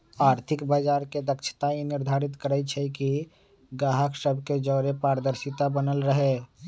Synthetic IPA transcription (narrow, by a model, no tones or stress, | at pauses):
aːɾt̪ʰɪkbəd͡ʒaːɾked̪əkt͡ʃʰə̥t̪ainɪɾd̪ʱaːɾit̪kəɾɛt͡ʃʰɛki | ɡaɦəksəbʱked͡ʒɔɾepaːɾəd̪əɾsit̪abənəlɾəɦe